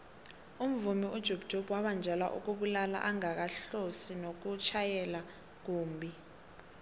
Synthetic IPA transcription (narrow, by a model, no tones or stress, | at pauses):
um̩vumiud̥ʒ̥ʱobd̥ʱobwaɓand͡ʒʱɛla̰ʔṵk̬uɓulala̰ʔaŋak̬aɬosinok̬ut͡ʃʰajɛla | k̬uːmbʱi